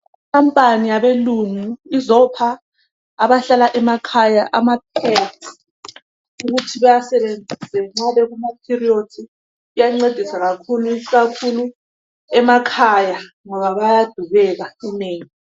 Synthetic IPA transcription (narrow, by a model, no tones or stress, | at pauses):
ikʰampʼanijaɓeluŋuizɔpʰaː | βaɬalaʔɛmakʰajaʔamap̚ʰɛti̥ | uɣutʰiβajasɛβend͡zʱisɛŋ͡ǁaβɛɣumapʰiriod̥ʱi | ijaŋ͡ǀed̥ʱisaɣakʰuluiɣakʰulu | ɛmakʰaja | ŋɔβaβajad̥ʱuβɛɣauneːŋi